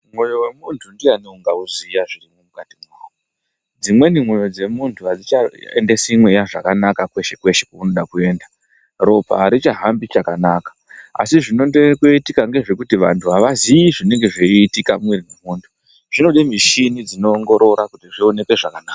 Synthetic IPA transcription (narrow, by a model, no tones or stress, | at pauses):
mwo̞jo̞we̞muntʰundianeuŋɡauzijaʐirimumukatimako | d͡zimwe̞nimwo̞jo̞d͡ze̞muntʰuɦad͡zit͡ʃaḛnde̞simwejaʐakanakakwe̞ʃe̞kwe̞ʃekouno̞ɗakue̞ːnda | ro̞pa̰ɾit͡ʃaɦambit͡ʃakanakḁ | a̰siʐino̞ndekoitikaŋɡe̞ʐe̞kutiʋantʰuɦaʋazijiʐine̞ŋɡe̞ʐeiːtikamwirinemuːntʰu̥ | ʐ̥ino̞ɗemiʃinid͡zino̞ːŋɡo̞ɾo̞ɾakutiʐione̞ke̞ʐakanaːka